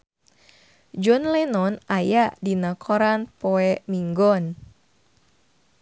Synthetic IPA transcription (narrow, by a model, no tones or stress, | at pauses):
d͡ʒɔnlɛnɔnajaʔdinakʰɔɾanpɔɛmiŋɡɔn